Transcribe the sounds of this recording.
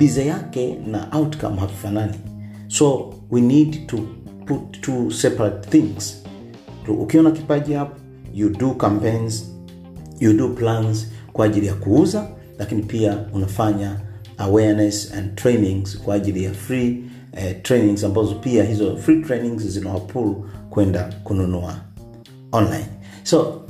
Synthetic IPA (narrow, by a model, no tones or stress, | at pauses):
bizajakɛna̰ʔawtka̰mhavifanani | sɔ | winidtuputʰːusɛpaɾat̚θĩŋz̥ | tuʔukiɔnakipaʄiap | judukampẽjnz | juduplanzkwaːʄilijakuuza | lakinipiaunafaɲa | awɛɹnɛsã̰ndtʰɹenĩŋz̥kwaːʄilijafɹi | tʰɹejnĩŋzambazɔpiahizɔfɾitɹenĩŋzzinawapʰulukwɛndakununua | ɔ̃nla̰jn | sɔ